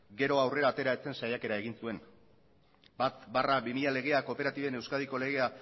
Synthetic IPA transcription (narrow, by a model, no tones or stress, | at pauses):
ɡe̞ɾo̞awre̞ɾaːt̪e̞ɾaet͡se̞nsajake̞ɾaeɣ̞insue̞n | bat̪barabimiʎale̞ɣ̞e̞ako̞pe̞ɾat̪iβe̞ne̞wskað̞iko̞le̞ɣe̞a